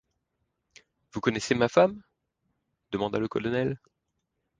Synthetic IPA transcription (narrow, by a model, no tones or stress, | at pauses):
vukɔnɛsemafam | d̪̥əmɑ̃d̪aləkɔlɔnɛl